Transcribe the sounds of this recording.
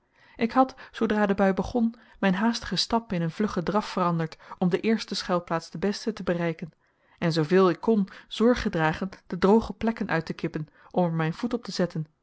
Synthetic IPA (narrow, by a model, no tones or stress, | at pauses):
ʔɪkɦɑtsowdraːdəbœɥbəχɔnmɛjnɦaːstə̥χəstɑpɪnənvlɵχədrɑffərɑndəɹtɔmdəʔɪːɹstəsχɛlˠplaːtsd̥əbɛstətəbərɛjkən | ɛnzowvɪːlˠɪkːɔnz̥ɔɹχədraːχənd̥ədrowχəplɛkənʔœ̰ɥtəkɪpən | ʔɔməɹmɛjnv̥utɔp̚təzɛtən